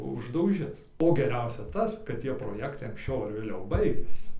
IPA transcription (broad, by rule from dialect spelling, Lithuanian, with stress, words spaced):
ʊʒdɐʊˈʒʲɪs oː ɡʲɛˈrʲɛʊsʲɛ ˈtɐs kɐt ˈtʲiɛ proːˈjæːktɐɪ ɐŋksʲˈt͡ʃʲɛʊ ˈɐr ʋʲeːˈlʲɛʊ ˈbɐɪɡʲɛsʲɪ